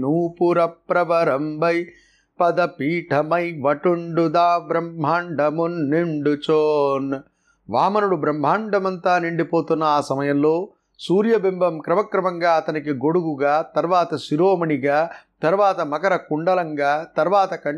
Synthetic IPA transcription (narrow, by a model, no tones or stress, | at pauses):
nuːpuɾɐpɾɐʋɐɾɐmbɐj | pɐd̪ɐpiːʈʰɐmɐjʋɐʈuɳɖud̪aːbɾɐmb̤ʱaːɳɖʱɐmunːiɳɖut͡ʃoːn | ʋaːmɐnuɽubɾɐmb̤ʱaːɳɖʱɐmɐnt̪aːniɳɖipoːt̪unːɐaːsɐmɐjɐmloː | suːɾjɐbimbʱɐmkɾɐmɐkɾɐmɐŋɡaːɐt̪ɐnik̬iɡoɽuɡuɡaːt̪ɐɾʋaːt̪ɐsiɾoːmɐɳiɡaːt̪ɐɾʋaːt̪ɐmɐkɐɾɐkuɳɖɐlɐŋɡaːt̪ɐɾʋaːt̪ɐkɐɳ